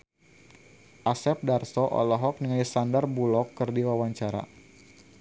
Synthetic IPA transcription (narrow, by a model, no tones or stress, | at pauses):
ʔasɛp̚darsɔʔɔ̰lɔɦɔk̚niŋaisandarbulɔkːɨrdiwawaɲt͡ʃaɾa̰